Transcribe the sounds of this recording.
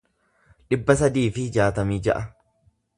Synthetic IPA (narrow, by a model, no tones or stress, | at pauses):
ᶑɪbːɐsɐd̪iːfɪhɪd͡ʒaːt̪ɐmiːd͡ʒɐ̰ʔɐ